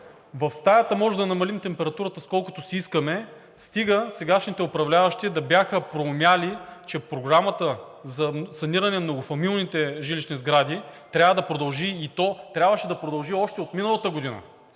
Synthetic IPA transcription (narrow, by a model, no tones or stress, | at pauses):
vɐfst̪ajɐt̪əmɔʒɛd̪ɐnɐmɐlimt̪ɛmpɛɾɐt̪uɾət̪əskɔlˠkʊt̪ʊsiiskəmɛ | st̪iɡəsɛɡaʃnit̪ɛʊpɾɐvlʲavɐʃt̪id̪ɐbjaxəpɾomjalit͡ʃɛpɾoɡɾamət̪ə | zɐsɐniɾɐnɛmnoɡʊfɐmilˠnit̪ɛʒiliʃnizɡɾad̪it̪ɾʲavəd̪ɐpɾod̪ɐlˠʒiit̪ɔt̪ɾʲabvəʃɛd̪ɐpɾod̪ɐlˠʒiɔʃt̪ɛot̪minəlˠɐt̪əɡod̪inə̰